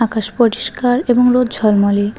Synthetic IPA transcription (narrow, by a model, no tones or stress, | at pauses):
akaʃpoʈiʃkaɾeboŋɾod̪d͡ʑʱɔlmoli